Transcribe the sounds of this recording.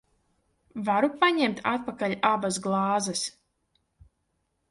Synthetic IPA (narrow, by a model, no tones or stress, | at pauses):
vaɾupaɲɛmt̪ʰat̪̚pakaʎʲabasɡlˠɑːzɛs